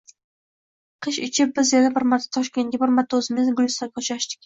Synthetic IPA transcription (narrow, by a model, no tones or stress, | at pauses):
qʰɨʃɪt͡ʃʰɪp̚bɪzjanabɪɾmat̪ʰt̪ʰɒʃkʲe̞nɡʲabɪɾmat̪ʰːʊzɪmɪzɡʊlʲˠsakʲʰɒt͡ʃʰaʃd̪ɪ̥kʲ